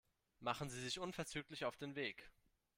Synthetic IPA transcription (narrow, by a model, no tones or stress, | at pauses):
maχn̩ziːzɪçʔʊnfɛɐt͡syːklɪçaʊfd̥eːnveːk